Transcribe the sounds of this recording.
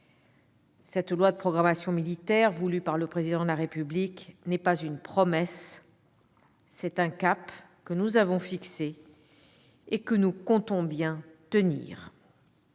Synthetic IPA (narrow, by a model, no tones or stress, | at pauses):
sɛt̪lwad̪əpχɔɡʁamasjɔ̃milit̪ɛʁvulypaʁləpχezid̪ɑ̃d̪əlaʁepybliknɛpazynpχɔmɛs | ɛt̪ɛ̃kap | kənuzavɔ̃fikse | ekənukɔ̃t̪ɔ̃bjɛ̃t̪ənḭːʁ